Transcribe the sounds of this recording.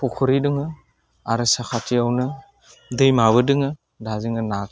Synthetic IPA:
pɔkʰɯɾidɯŋɯ | aɾɯsakʰatʰiawnɯ | dɯjmaβɯdɯŋɯ | dazɯŋɯnak

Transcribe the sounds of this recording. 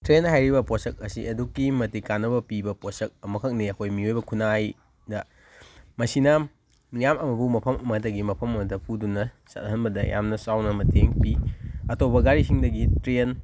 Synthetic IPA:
tɾenhajɾibɐposɐk̚ɐsiɐdukːimɐtikanːɐbɐpibɐposɐk̚ɐmɐkʰɐk̚niɐkʰojmiojbɐkʰunaj | dɐ | mɐsinɐ | mijamɐmɐbumɐpʰɐmɐmɐdɐɡimɐpʰɐmɐmɐdɐpʰudunɐ | sɐtnɐɦɐnbɐdɐjʔa̰mnɐsawnɐmɐtʰeŋpiɐtobɐɡaɾisiŋdɐɡitɾen

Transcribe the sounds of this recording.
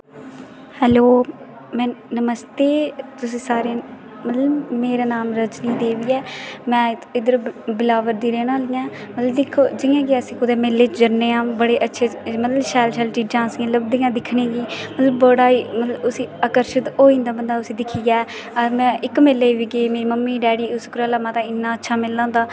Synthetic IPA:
hɛːloː | mɛ̃ːnəməst̪eːt̪ʊsĩːsaːɾeː | mət̪ləbmeːɾaːnaːmɾət͡ʃnĩːd̪eːʋiːɛːmɛ̃ːɪd̪əɾbɪlaːʋəɾd̪iːɾeːnaːlijãː | mət̪ləbd̪ɪkʰːoːd͡ʒɪjãːɡeəsĩːkʊd̪eːmelːeːt͡ʃd͡ʒəɾneːãːbəɽeːʔətːʃʰeːmət̪ləbʃɛːlʃɛːlʈiːɖãːnsiãləbd̪ijãːd̪ɪkʰnẽːɡiːmət̪ləbəɽaːimət̪lʊsĩːakəɾʃɪt̪oːĩnd̪aːbənd̪aːʊsĩːd̪ɪkʰiːɡaː | əmɛ̃ːʔɪkmɪlːeːʋiːɡeːmeːɾiːməmːiːɖɛːɽiːʊskɾaːlaːmãːt̪ãːɪnːãːətːʃʰaːmɪlːãːd̪aː

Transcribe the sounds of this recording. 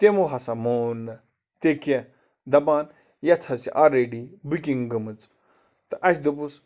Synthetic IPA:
t̪emuɦɐsɐmoːnːɨ | t̪eke | d̪ɐbaːn | jɐt̪ʰɐsḭʔaɾeɖibukʲiŋɡɨmɨt͡s | t̪ɨʔɐs̬ʲd̪upus

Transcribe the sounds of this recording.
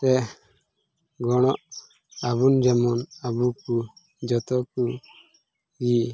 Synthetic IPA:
t̪ɛ | ɡɔɽ̃ɔʔ | aβund͡ʒɛmɔnabuku | d͡ʒɔt̪ɔku | ɡi

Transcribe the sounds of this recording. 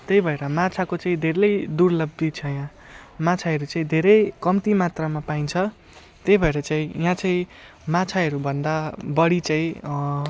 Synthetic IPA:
t̪ejbʱʌeɾʌmat͡sʰakot͡saĩd̪ʱeɾʌjd̪urlʌbːit͡sʰʌjã | mat͡sʰaɦʌɾut͡saĩd̪ʱeɾʌjkʌmt̪imat̪ramapaint͡sʰʌ | t̪ejbʱʌeɾʌt͡saĩjãt͡saĩ | mat͡sʰaɦʌɾubʱʌnd̪abʌɽit͡sãĩ

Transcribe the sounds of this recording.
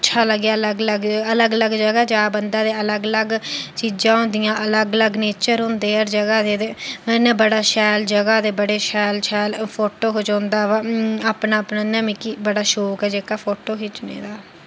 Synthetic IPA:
ɪtːʃʰaːləɡjaːləɡləɡələɡələɡd͡ʒəɡaːd͡ʒaːbənd̪ãːd̪eːələɡələɡt͡ʃiːd͡ʒãːɦõːnd̪ɪjãːʔələɡələɡneːt͡ʃəɾɦʊ̃nd̪eːəɾd͡ʒəɡaːd̪eːd̪eːnɛ̃ːbəɽaːʃɛːld͡ʒəɡaːd̪eːbəɽeːʃɛːlʃɛːlpʰoːʈoːɦoːd͡ʒãːnd̪aːʋaaːpnaːpnaːnɛ̃mĩːkiːbəɽaːʃoːkɛːd͡ʒeːkaːpʰoːʈoːɦiːt͡ʃnḛ̃ːd̪aː

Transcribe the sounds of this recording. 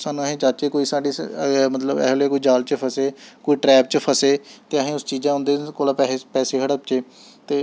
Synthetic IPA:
saːnũəɦẽːt͡ʃaːt͡ʃeːkoːiːsaːɖiːmət̪ləbɛ̰ːɦlːeːkoːiːd͡ʒaːlt͡ʃəpʰəseːkoːiːʈɾɛːp̚t͡ʃəpʰəseːt̪eːəɦẽːʊst͡ʃiːd͡ʒãːʊ̃nd̪eːkoːlaːpɛpɛːseːkʰəɽəp̚t͡ʃeː | t̪eː

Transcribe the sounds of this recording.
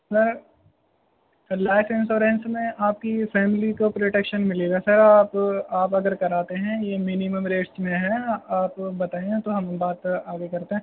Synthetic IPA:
sɐɾ | laːɪfɪ̃nsoːɾẽːnsmẽʔaːp̚kifɛːmɪlikopɾoːʈekʃənmɪleɡasɐɾaːpaːpɐɡəɾkɐɾaːt̪eɦɛ̃jemɪnɪməmɾeːʈsmẽɦɛaːpbɐt̪aːẽt̪oɦɐmbaːt̪aːɡekɐɾt̪eɦɛ̃ː

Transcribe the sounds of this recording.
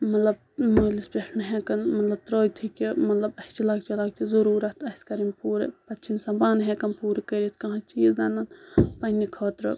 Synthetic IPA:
mɐt̪lɐb̚ | moːlispeʂnɐɦeːkɐnmɐt̪lɐb̚t̪ɾoːjt̪ʰikʲimɐt̪lɐbɐht͡ʃilaːɡt͡ʃilaːk̚t͡ʃizɐɾuːɾɐt̪ʰɐsʲkɐɾimpuːɾḛpɐt͡ʃʰinsɐbaːnɦeːkɐnpuːɾekɐɾit̪kɐ̃ɦãt͡ʃiːzd̪ɐnɐnpɐɦnikʰoːt̪ɾɐ

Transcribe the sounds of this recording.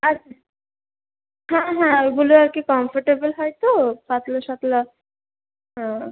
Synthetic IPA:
atːɕʰa | hãɦãɡuluaɾkikɔmfʰoɾʈebolɦɔjt̪opat̪lɔʃat̪la | ã

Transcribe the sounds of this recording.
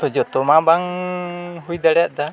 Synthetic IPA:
t̪ɔd͡ʒɔt̪ɔmabaŋ | ɦuid̪alɛʔd̪a

